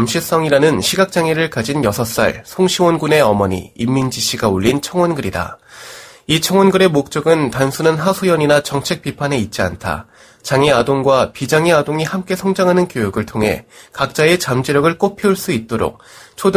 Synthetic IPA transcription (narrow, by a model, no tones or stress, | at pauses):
mɕʰis͈ʌŋiɾanɯnɕʰiɡak̚t͡ɕ͈aŋeɾɯɭkad͡ʑinjʌsʰʌs͈a̰ɭsʰoŋɕʰiwʌnɡune̞ʌmʌɲḭimːind͡ʑiɕ͈iɡauʎːint͡ɕʰʌŋwʌnɡɯɾida̰ | it͡ɕʰʌŋwʌnɡɯɾe̞mok̚t͡ɕ͈ʌɡɯntansʰunɯnɦasʰojʌɲinat͡ɕʌŋt͡ɕʰe̞k̚p͈ipʰane̞it̚t͡ɕ͈ia̰ntʰa̰ | t͡ɕaŋeadoŋɡwapid͡ʑaŋeadoŋihamk͈e̞sʰʌŋd͡ʑaŋɦanɯnkjojuɡɯɭtʰoŋɦe̞̰kak̚t͡ɕ͈ae̞t͡ɕamd͡ʑiɾjʌɡɯɭk͈opʰiuɭs͈uit̚t͈oɾo̰k̚t͡ɕʰod